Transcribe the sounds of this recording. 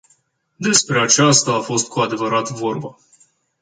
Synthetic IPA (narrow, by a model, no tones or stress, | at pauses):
d̪e̞spɾe̞at͡ʃast̪aːfo̞st̪̚kʰuad̪e̞vəɾat̪vo̞rbə